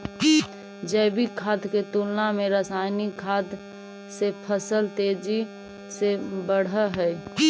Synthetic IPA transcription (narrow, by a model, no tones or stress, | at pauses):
d͡ʒəɪbikʰaːd̪ket̪ulnamẽɾəsaːɪnikʰaːd̪ | sepʰəsəlt̪eːd͡ʒi | sebəɽ̤əɦɛj